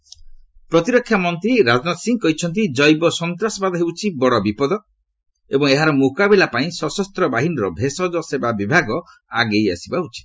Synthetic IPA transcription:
pɾɔt̪iɾɔkʰːjamɔnt̪ɾiɾad͡ʒnɔt̪siŋɡkɔɦit͡ʃʰɔnt̪̬id͡ʒɔjbɔsɔnt̪ɾasɔbad̪ɔɦewt͡ʃʰibɔɽɔbipɔd̪ɔ | ebɔŋeɦaɾɔmukabelapaĩsɔsɔst̪ɾɔbaɦinɔɾɔbʱesɔd͡ʒɔsebabibʱaɡɔ | aɡeja̰sibaut͡ʃʰi̥t̪

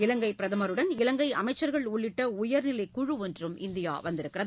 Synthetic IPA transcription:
ɪlɐŋɡɐɪpɪɾɐðɐmɐɾɯɽɐnɪlɐŋɡɐɪʔɐ̰mɐɪt͡ʃːɐɾɣɐɭʊɭːɪʈːɐʊjɐɾnɪlɐɪkʊɻɯʋɔndrɯmɪ̰nd̪ɪja̰ːʋɐnd̪ɪɾɯkːɪrɐð

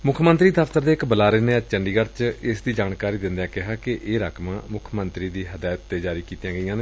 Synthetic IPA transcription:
mʊkʰmənt̪ɾiːd̪əft̪əɾd̪eːɪkbəlaːɾeːneːəd͡ʒt͡ʃəɳɖiːɡəɾt͡ʃɪsd̪iːd͡ʒaːnkaːɾiːd̪ɪnd̪ãːkɪɦaːkɪʔeːɾaːkʰmãːmʊkʰmənt̪ɾiːd̪iːɦəd̪aːjt̪ːeːd͡ʒaːɾiːkiːt̪jãːɡəijãːne

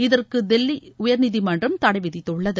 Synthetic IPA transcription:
ɪðɐrkɯd̪ɛlːiʊjɐɾnɪðimɐndrɐmt̪ɐɽɐɪʋɪðɪt̪ːɯɭːɐðɯ

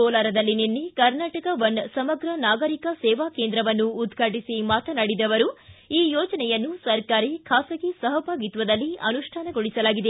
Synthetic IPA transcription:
oːlaːɾɐd̪ɐlːininːikɐɾnaːʈɐkɐʋɐnsɐmɐɡɾɐnaːɡɐɾikɐsɛːʋaːkeːnd̪ɾɐʋɐnːuːd̪ɡʱɐʈisimaːt̪ɐnɐɽid̪ɐʋɐɾuiːjɔːd͡ʒɐnɛjɐnːusɐɾkaːɾikʰaːsɐɡisɐɦɐbʱaːɡit̪ʋɐd̪ɐlːiʔɐnuʂʈʰaːnɐɡoɭisɐlaːɡid̪e̞

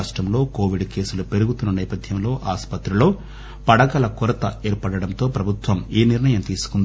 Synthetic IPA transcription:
ʂʈɾɐmlo̞ːko̞ːʋiɖke̞ːsulupe̞ɾuɡut̪unːɐnɛːpɐd̪ʱjɐmlo̞ːʔaːspɐt̪ɾulo̞ː | pɐɽɐkɐlɐkuɾɐt̪ɐeːɾpɐɽɐɽɐnt̪o̞ːpɾɐbʱut̪ʋɐmiːniɾnɐjɐmt̪iːsu̥kund̪i

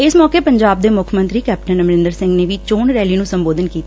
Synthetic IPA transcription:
ɪsmɔːkeːpəɲd͡ʒaːb̚d̪eːmʊkʰmə̃nt̪ɾiːkɛːp̚ʈənəmɾɪ̃nd̪əɾsɪ̃ŋɡneːʋiːt͡ʃoːnɾɛːliːnũːsəmboːd̪ənkiːt̪

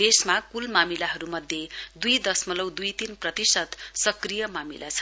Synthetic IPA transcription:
esmakulmamilaɦʌɾumʌd̪ʱjed̪ujd̪ʌsmʌlʌwd̪ujt̪inprʌt̪isʌt̪sʌkrijʌmamḭlʔa̰t͡sʰʌ

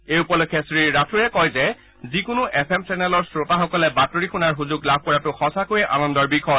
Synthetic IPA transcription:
eupɔlokʰːjɛsɹiɹatʰuɹɛkɔjzɛ | zikʊnʊʔɛpʰɛmsɛnɛlɔɹsɹotaxɔkɔlɛbatoɹixunaɹɦuzʊɡlab̚ʱkɔɹatʊxɔsakojɛʔa̰nɔndɔɹbixɔj

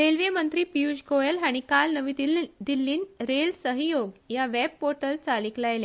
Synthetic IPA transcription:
ɾelʋemənt̪ɾiːpiud͡ʑɡoelaɽ̃ikalnəʋid̪ilːiːnɾelsəɦijoɡjaʋɛb̚poɾʈəlt͡saliklajle

